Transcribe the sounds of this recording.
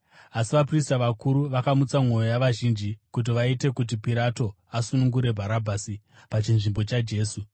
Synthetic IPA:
asiʋapristaʋakuɾuʋakamut͡samŋo̞jojaʋaʒind͡ʒikut̬iʋaite̞kut̬ipiɾato̞ | asunuŋɡuɾe̞bʱaɾabʱaːsi | pat͡ʃinʐimbo̞t͡ʃad͡ʒe̞ːsu

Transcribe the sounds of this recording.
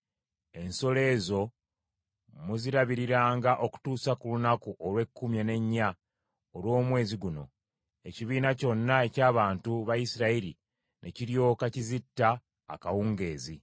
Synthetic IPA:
e̞nso̞le̞ːzo̞ | muziɾaβiɾiɾaːŋɡaʔo̞ku̥tuːsakulunakuʔolwe̞kːumjene̞ɲːa | olwo̞ːmwe̞ːziɡuno̞̰ | e̞ciβiːnaco̞nːae̞caːβaːntuβajisiɾaiɾi | nʔe̞̰ciɾjo̞ːkacizitːa̰ː | kawuŋɡe̞ːzi

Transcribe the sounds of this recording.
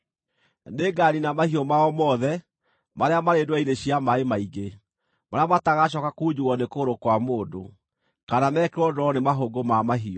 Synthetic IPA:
neɡaninamahiɔmaɔmɔðɛ | maɾeamaɾedwaineɕiamaemaiɣe | maɾeamataɣaɕ̬ɔkakuːd͡ʑuwɔnekoːɾokwamoːdo | kanamɛːkɛɾwɔdɔɔnemaɦoɡomamaɦiɔ

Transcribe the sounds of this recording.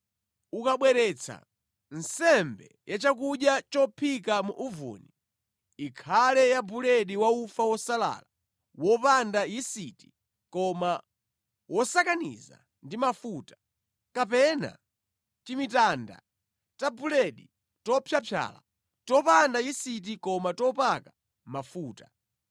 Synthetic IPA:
ukaɓwɛɾɛt͡sʰa̰ | n̩sɛmbɛ | jat͡ʃak̬uɗjat͡ʃɔpʰikamuʔuvṵni | ikʰalɛjabulɛɗiwaufawɔsala̰ːla | wɔpandajisiti̥ | kɔma | wɔsakanḭza̰ | ndimafuːtḁ | kapɛna̰ | t͡ʃimitanda̰ | tabulɛɗi | tɔpʰjapʰja̰la̰ | tɔpandajisit̬ikɔmatɔpaka | mafuːta

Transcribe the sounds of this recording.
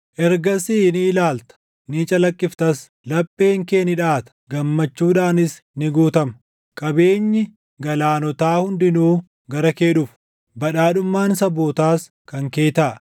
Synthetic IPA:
ʔɛɾɡɐsiːnɪɪlaːlt̪ɐ̥ | niːt͡ʃʼɐlɐkʼːɪft̪ɐs | lɐpʼːe̞ːŋke̞ːnɪᶑaːt̪ɐ̥ɡɐmːɐt͡ʃːuːᶑaːnɪs | nɪɡuːt̪ɐmɐ | kʼɐbe̞ːɲːɪ | ɡɐlaːnɔt̪aːhʊnd̪ɪnuː | ɡɐɾɐke̞ːᶑʊf | bɐᶑaːᶑʊmːaːnsɐboːt̪aːs | kɐŋke̞ːt̪aː

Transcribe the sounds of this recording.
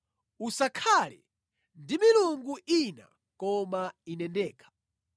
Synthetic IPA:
usakʰalɛ̰ | ndimiluŋɡuʔina̰ | kɔmainɛndɛːkʰḁ

